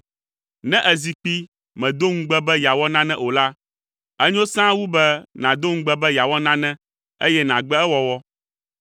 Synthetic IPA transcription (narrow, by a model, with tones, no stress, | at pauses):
nɛ̃˦ʔɛ˨zi˨k͡pi˦ | mɛ̃˨d̪o˦ŋ̩̃˦ɡ͡bɛ˦bɛ˦ja˨wɔ˦nã˦nɛ̃˦˨ʔo˨la˦ | ɛ˦ɲõ˦sã˦wu˦bɛ˦nã˨d̪o˦ŋ̩̃˦ɡ͡bɛ˦bɛ˦ja˨wɔ˦nã˦nɛ̃˦ | ḛ˦jɛ˦nã˨ɡ͡bɛ˦ɛ˦wɔ˦wɔ˦